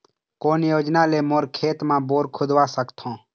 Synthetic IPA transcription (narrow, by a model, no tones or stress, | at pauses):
koːnjoːd͡ʒnaːleːmoːɾkʰeːt̪mãːboːɾkʰʊd̪ʋaːsəkt̪ʰõː